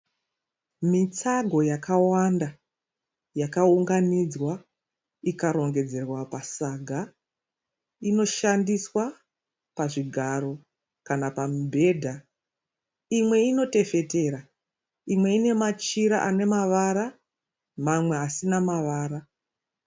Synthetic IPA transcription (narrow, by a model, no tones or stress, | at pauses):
mit͡saɡʱo̞jakawanda | jakauŋɡanid͡zwa | ikaɾo̞ŋɡe̞d͡ze̞rwapasaɡʱa | ino̞ʃandiswa | paʐiɡʱaɾo̞ | kanapambʱe̞dʱa | imwe̞ino̞te̞fe̞te̞ɾa | imwe̞ine̞mat͡ʃiɾa̰ʔane̞maʋaɾa | mamwe̞ɦasinamaʋaːra